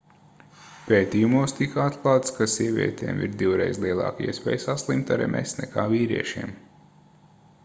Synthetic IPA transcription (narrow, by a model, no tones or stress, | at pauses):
peːt̪iːjumuɔst̪ikat̪klˠaːt̪skasiɛvʲḭɛt̪ʰɛ̰ːmʔḭɾd̪iwɾɛjzlˠiɛlˠɑ̰ːkḭɛspɛːjsaslˠimt̪aɾɛ̰mʔɛ̰snɛkaːviːɾḭɛʃiːm